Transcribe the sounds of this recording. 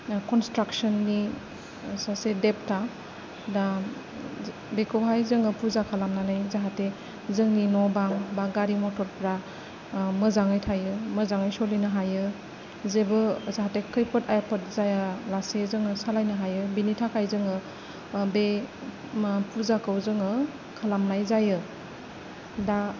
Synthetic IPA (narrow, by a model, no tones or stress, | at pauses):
kɔnstɾaksɔnːi | sasedep̚tʰa | da | bekʰɯwɦajzɯŋɯpʰuɾzakʰalamnanajzaɦate | zɯŋninɔbaŋbaɡaɾimɔtɔɾpɾa | mɯzaŋajtʰajɯməzaŋajsɔlijnɯɦajɯ | zebɯzaɦatekʰɯjpʰɯtʰajapʰət̚zajalasezɯŋɯsalajnɯɦajɯbinitʰakʰajzɯŋɯ | be | pʰuzakawzɯŋɯ | kʰalamnajzajɯ | da